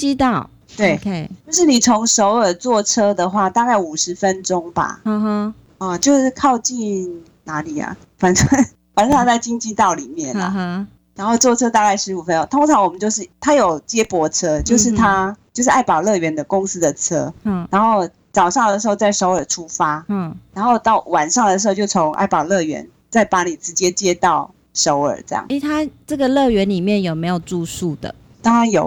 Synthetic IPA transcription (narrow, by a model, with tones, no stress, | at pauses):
i˥ɑ˥˨ | t̪we˥˩ɪ˧t͡ɕjʊʂ̬ɻ̩˥˩ni˨˩t͡sʰo˧˥ŋʂo˧˥ʊə˞˨˩t͡swɔ˥˨˩ʈ͡ʂʰɤ˥d̪ə˨xwa˥˧t̪a˥˧ka˥˩ɪu˨˩ʂɻ̩˧˦fə˦nʈ͡ʂʊ˥ŋba̰˨˩˧ | ə˨t͡ɕjo˥˧ʊʂ̩˥˩kʰɑ˥˧ʊt͡ɕi˥˩n | na˧˥˦li˨˩ɐ̰˩ | fa˨˦nʂwa˥ | fa˨n˥˧ŋt͡sa˥˩ɪt͡ɕi˥ŋt͡ɕi˥˧t̪ɑ˥˩ʊli˨˩mjɛ˥˩nlə̰˨˩ | ɻa˧˥nxo˥˧ʊt͡swɔ˥˨ʈ͡ʂʰɤ˥t̪a˥˧ka˥˩ɪʂɻ̩˧˥u˨˩fə˦no˥ŋt̪ʰʊ˥ŋʈ͡ʂʰɑ˧˦ŋwɔ˨˩mə˦nt͡ɕjo˥˧ʊʂ̬ɻ̩˥˩t̪ʰa˥jo˨˩ʊt͡ɕjɛ˦˥pwɔ˧˥t͡sʰɤ˥t͡ɕjo˥˧ʊʂ̬ɻ̩˥˩t̪ʰa˥t͡ɕjo˥˧ʊʂɻ̩˥˩ʔa˥˩ɪpɑ˨˩ʊlɤ˥˨˩ɥɛ˧˥nd̪ə˨kʊ˦˥ŋs̩˥d̪ə˨t͡sʰɤ˥na˧˥nxo˥˩ʊ | t͡sɑ˨˩ʊʂɑ˥˩ŋd̪ə˩ʂɻ̩˧˥xo˥˧ʊt͡sa˥˩ɪʂo˧ʊə˞˨˩ʈ͡ʂʰu˦fa˦˥na˧˥nxo˥˧ʊt̪ɑ˥˩ʊwa˨˩nʂɑ˥˩ŋd̪ə˩ʂ̬ɻ̩˧xo˥˧ʊt͡ɕjo˥˩ʊt͡sʰo˧˥ŋʔa̰˥˩ɪpɑ˨˩ʊlɤ˥˩ɥɛ̰˧˥n | t͡sa˥˩ɪpa˧˥ni˨˩ʈ͡ʂɻ̩˧˦˥t͡ɕjɛ˥t͡ɕjɛ˥t̪ɑ˥˩ʊ | ʂo˧˦ʊə̰˞˨˩ʈ͡ʂə˥˧jɑ̰˥˩ŋ˥t̪ʰa˦˥ʈ͡ʂə˥˩ɡə˨lɤ˥˨ɥɛ˧˦nli˨˩mjɛ˥˨njo˨˩me˧˥ɪjo˨˩ʊʈ͡ʂu˥˧su˥˩d̪ə̰˩ | t̪ɑ˥ŋɻa˨˧˦njo˨˩ʊ